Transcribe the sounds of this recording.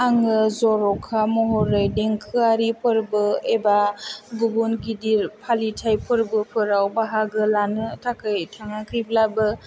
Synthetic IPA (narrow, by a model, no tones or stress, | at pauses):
aŋɯzɔɾɔkʰamɔɦɔɾajdeŋkʰɯaɾipʰɯɾbɯebaɡubunɡidiɾpʰalitʰajpʰɯɾbɯpʰɯɾawbaɦaɡɯlanɯtʰakʰɯjtʰaŋakʰɯjblabɯ